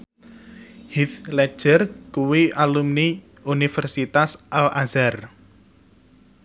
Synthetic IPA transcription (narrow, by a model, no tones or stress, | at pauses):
hit̪lɛ̥ʒ̥ərkuwiʔalumni | unifɛrsit̪asʔalʔazar